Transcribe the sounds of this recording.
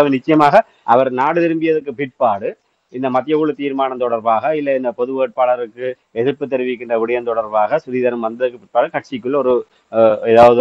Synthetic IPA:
ʋɯnɪt͡ʃːɐjɐmaːɣɐ | ʔɐʋɐɾnaːɽɯðɪɾɯmbɪjɐðɯkːɯpɪʈ̚paːɽɯ | ɪnd̪ɐmɐt̪ːɪjɐʋuɭɯt̪iːɾmaːnɐmt̪ɔɽɐɾbaːɣɐɪlːɐɪnd̪ɐpɔðɯʋeːʈ̚paːɭɐɾɯkːɯ | ɛðɯɾpːɯt̪ːɛɾɯʋɪk̬ːɪndrɐʋɪɽɪjɐmt̪ɔɽɐɾbaːɣɐsʊɾiːðɐɾɐmʋɐnd̪ɐðɯkːɯpɪʈ̚paːɽɯkɐʈ̚t͡ʃɪkːɯɭːɔɾɯ | ɛðaːʋɐðɯ

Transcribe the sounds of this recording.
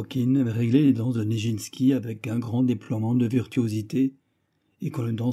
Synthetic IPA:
kʲinʁeɡleled̪ɑ̃sd̪əneʒinskʲiavɛkɛ̃ɡʁɑ̃d̪eplwamɑ̃d̪əviʁt̪yozit̪e | ekɔ̃ləd̪ɑ̃

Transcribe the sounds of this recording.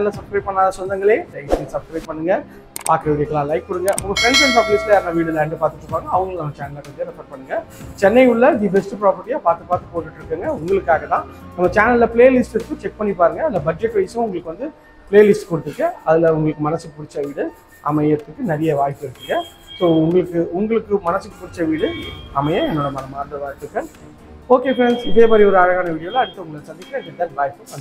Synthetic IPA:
ɐlːɐsɐpskɾɐɪp̚pɐɳːaːðɐsɔnd̪ɐŋɡɐɭeːd̪ɐɪsɪsɐpskɾɐɪbpːɐɳːɯŋɡɐ | paːɾkɾɐʋɪɽɪɾkːɐɭãːlɐɪk̚pʊɽɯŋɡɐʊmːɐpɾɛɳsɐnpɐblɪslɐjaːɾnaʋiːɽɯlɛɳɖɯpaːɾt̪ɯʈːɾɯkːaːɾɯŋɡɐɐʋɐŋɡɐɭnɐmːɐt͡ʃaːnɐlakːɐnd̪eɾɛpɐɾ̚pɐɳːɯŋɡɐ | t͡ʃɛnːɐɪʊɭːɐɖibɛsʈɯpɾaːpɐɾʈːijaːpaːɾt̪ɯpaːɾt̪ɯpoːʈːɯʈːɪɾɯkːɯːŋɡɐʊŋɡɐɭɯkːaːɣɐt̪ãːnɐmːɐt͡ʃaːnɐllɐpɭeːɐlɪsʈɪɾɯt̪ːɯt͡ʃɛk̚pɐɳːipaːɾɯŋɡɐːðɪlːɐbɐd͡ʒɛʈːʋɐɪsɐ̃ʊŋɡɐɭɯkːɯʋɐnd̪ɯ | pleːɐlɪsʈkɔɽɯt̪ːɯkːɐ̃ɐðɪlɐʊŋɡɐɭɯkːɯmɐnɐsɯkːɯpʊɽɪt͡ʃːɐʋiːɽɯ | ʔɐ̰mɐɪjɪɾɯt̪ːɯkːɯnɐɾɐjɐʋaːjɪpːɪɾɯkːɯːŋɡɐ | soːʊŋɡɐɭɯkːɯʊŋɡɐɭɯkːɯmɐnɐsɯkːɯpʊɽɪt͡ʃːɐʋiːɽɯɐmɐjɐ̃ɛnːoːɽɐmɐnɐmaːt̪ɾɐʋaːjpːɯkːɐ | oːkeːfɾensɪðeːmaːd̪ɾiɔɾɯɐɾɐɣaːnɐʋiːɽɪjoːlɐɐɽɯt̪ːɐʊŋɡɐɭsɐnd̪ɪkːɾɐ̃d̪ɪd̪ɐnʋaːjpːɯsɐn

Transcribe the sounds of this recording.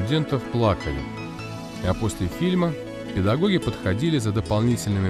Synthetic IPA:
ʊdʲent̪əfplˠakəlʲɪ̰ | ɐpo̞sʲlʲɪfʲilʲmə | pʲɪd̪ɐɡo̞ɡʲɪpət̪xɐdʲilʲɪzəd̪əpɐlˠnʲitʲɪlʲnɨmʲɪ

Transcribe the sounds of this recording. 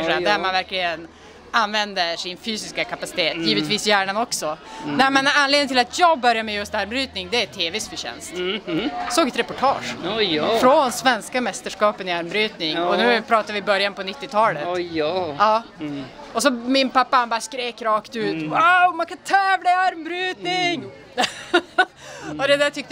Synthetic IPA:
ʂd̪æmanvæɾklɪɡən | anvɛnd̪əʂɪnfyːsɪskakʰapasɪt̪ʰeːt̪jiːvət̪viːsjæːɳanɔksɔnɛmɛnanleːd̪ɪ̃t̪ɪlat̪ʰjɑːɡ̚bœɾjamɛjɵst̪æɾmbɾyːt̪nɪŋd̪ɛæt̪ʰeːvɛsfœɕɛ̰nst̪ | soːɡɛt̪ɾɛpɔʈʰɑ̰ːʂffɾɔnsvɛnskamɛst̪əʂkɑːpənɪaɾmbɾyːt̪nɪŋɔnʉ̟ːpʰɾɑːt̪avɪbœɾjanpʰɔnɪt̪ːɪt̪ʰɑːlətː | ɑː | ɔs̬ɔmɪnpapːahanbɑɾaskɾeːkɾɑːkt̪ʉ̟ːt̪waʊmankʰant̪ʰɛːvlaɪaɾmbɾyːt̪nɪŋ | ɔd̪ɛd̪æːt̪ʰʏk̚t̪

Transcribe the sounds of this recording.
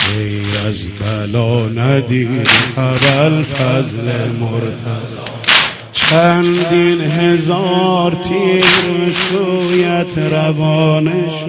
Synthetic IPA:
ʁejɾaz | bælɔːnæd̪iːd̪æbælfæzlemoɾt̪ʰaz | t͡ʃʰænd̪inɦezɔɾt̪ʰiːɾmesujat̪ʰɾavɔːneʃ

